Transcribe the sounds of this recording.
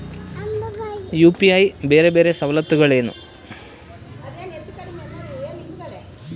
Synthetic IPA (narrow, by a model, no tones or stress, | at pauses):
juːpiɐjibe̞ːɾebe̞ːɾe̞sɐwlɐt̪ːuɣɐɭe̞ːnṵ